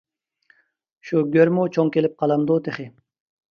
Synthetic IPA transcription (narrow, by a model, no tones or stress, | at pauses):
ʃuɡʲøɾmut͡ʃʰoŋkʲelɪp̚qʰɑlˠɑmd̪ut̪ʰeχɪ